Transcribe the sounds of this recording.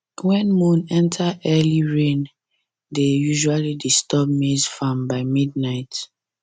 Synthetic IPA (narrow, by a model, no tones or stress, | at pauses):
wɛ̃nmũnɛ̃ntʰaʔɛliɹẽn | dejuʒualidistɔbmezfãmbaɪmid̚naɪt